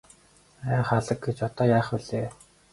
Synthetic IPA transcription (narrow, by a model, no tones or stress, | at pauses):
æːχaɮə̆k̚ɡet͡ɕɔt̪ɔːjaːχʊɮeː